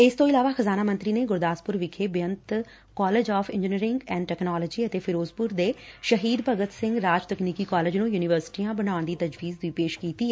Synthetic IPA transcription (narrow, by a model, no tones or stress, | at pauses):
ɪst̪õːɪlaːʋaːxəzaːnaːmənt̪ɾiːneːɡʊɾd̪aːspʊɾʋɪkʰeːbjənt̪ | kɔːleːd͡ʒɔːfʰɪ̃nd͡ʒɪniɾɪ̃ŋɡɛ̃ːɳɖʈɛːknaːləd͡ʒiːət̪eːpʰɪɾoːzpʊɾd̪eːʃəɦiːd̪pəɡət̪sɪ̃ŋɡɾaːd͡ʒt̪əkniːkiːkɔːled͡ʒnũːjuːnɪʋəɾsɪ̥ʈijãːbənaːʊnd̪iːt̪əd͡ʒʋiːzd̪ʊiːpeːʃkiːt̪iːɛ